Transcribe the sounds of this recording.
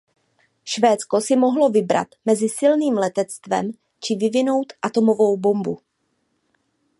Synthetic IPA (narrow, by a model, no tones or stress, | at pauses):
ʃvɛːt͡sko̞sɪmo̞ɦlo̞vɪbɾa̰t̪mɛzɪsɪlniːmlɛt̪ɛt͡st̪vɛ̰m | t͡ʃɪvɪvɪno̞wt̪ʔat̪o̞mo̞vo̞wbo̞mbu